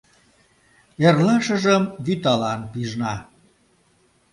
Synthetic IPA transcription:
erlɑʃəʒəmβyt̪ɑlɑnpiʒnɑ

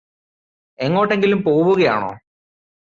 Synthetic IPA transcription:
e̞ŋːo̞ːʈːe̞ŋɡilumpoːʋuɣɐja̰ːɳo̞̰ː

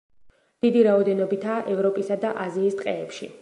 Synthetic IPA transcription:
d̪̥id̪iɾaɔd̪ɛnɔbit̪ʰaːʔɛvɾɔpʼisad̪aʔaziːst̪ʼqʼɛːpʃḭ

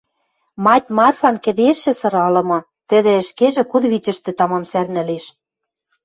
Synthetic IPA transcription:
mɑtʲmɑrfɑnkɘ̆d̪eʃːɘ̆sɤ̆ɾɑlɤ̆mɤ̆ | t̪ɘ̆d̪ĕɘ̆ʃkeʒĕkud̪βit͡ɕɘ̆ʃt̪ĕt̪ɑmɑmsærnɘ̆leʃ

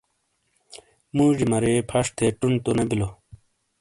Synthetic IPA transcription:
muʑimɐɾepʰɐʂt̪ʰeʈunt̪onɐbilo

